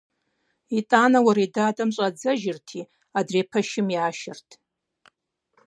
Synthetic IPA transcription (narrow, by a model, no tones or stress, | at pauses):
itʼaːnawaɾidaːtʼamɕʷʼad͡zaʒɪrtʰi | adrepʰaʃɪmjaːʃɪrtʰʼ